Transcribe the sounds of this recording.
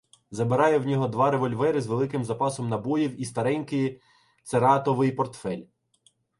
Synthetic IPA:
zɐbɪɾɑjɛwnʲɔɦɔd̪ʋɑɾeʋɔlʲʋɛɾɪzʋelˠɪkɪmzɐpɑsɔmnɐbɔjiwist̪ɐɾɛnʲkɪj | t̪seɾɑt̪ɔʋɪjpɔrt̪fɛlʲ

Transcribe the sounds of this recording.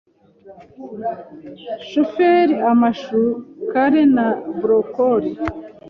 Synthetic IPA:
ʃofeɾiamaʃukaɾenabɾokoɾi

